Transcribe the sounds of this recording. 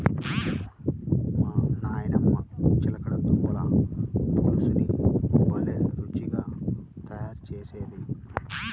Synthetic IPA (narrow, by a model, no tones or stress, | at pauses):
manaːjɐnɐmːɐt͡ʃilɐkɐɽɐt̪ːumbɐla | ɐlɐsɐniʋɐlːeɾut͡ʃːiɡaːt̪ɐjaːɾt͡ʃeːseːd̪i